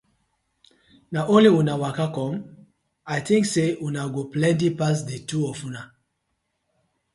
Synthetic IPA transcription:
naʔõnliwũnawakakɔ̃m | aɪtĩŋksewunaɡoplɛ̃nt̬ipas̬detuɔfuna

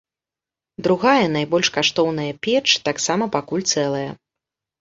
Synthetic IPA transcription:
d̪ɾuɣajɐnajbɔlʲʂkaʂt̪ɔwnɐjɐpʲɛt͡ʂt̪aksamɐpakulʲt̪sɛlˠɐjɐ

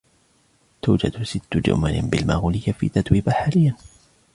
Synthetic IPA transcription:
t̪uːd͡ʒad̪sɪt̪ːʊd͡ʒʊ̰malɪ̰nbɪlmaːɣuːlɪjːafḭːt̪at̪ˤwiːbaħaːlɪjːa

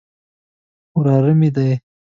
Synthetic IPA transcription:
ɾɑɾəmid̪aj

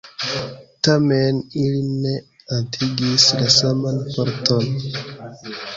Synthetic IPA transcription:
tameniline | antʰiɡislasamanpaɾton

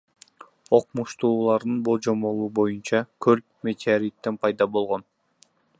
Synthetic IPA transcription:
o̞qmuʃt̪uːlˠɑɾd̪ɯnbo̞lˠd͡ʒo̞mo̞lˠuːbo̞junt͡ʃɑkʰøɾp̚mʲe̞t̪ʲeaɾit̪ːenpʰɑjd̪ɑbo̞lˠʁo̞n

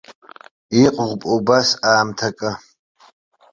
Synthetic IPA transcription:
iqʼʁʷpʼobasaːmtʰɐkʼɐ

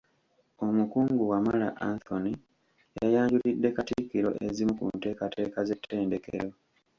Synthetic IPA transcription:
o̞mukuːŋɡuwamala̰ʔanθoni | jajaːɲɟulidːe̞katikiɾo̞̰ʔezimukṵnte̞ːkatʰe̞ːkaze̞tʰːe̞ːnde̞kḛɾo̞

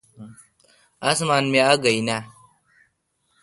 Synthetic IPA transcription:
ʔasmanmeaɡajna

